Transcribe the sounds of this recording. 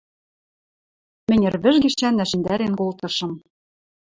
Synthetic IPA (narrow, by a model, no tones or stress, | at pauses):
mɘ̆nʲɘ̆rβɘ̆ʒɡĭʃt͡ɕænːæʃɘ̆nd̪æɾenkolt̪ɤ̆ʃɤ̆m